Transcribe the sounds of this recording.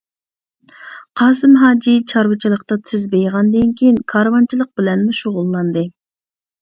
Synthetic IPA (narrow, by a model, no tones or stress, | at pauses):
qʰɑːsɨmɦɑːd͡ʒit͡ʃʰɑɾwɨt͡ʃʰilˠəqt̪ɑt̪ʰɪzbejʁɑnd̪ɪŋkʲʰijnkʰɑɾwɑnt͡ʃʰilˠəq̚bɪlɛnmuʃoʁʊlˠːɑnd̪ɨ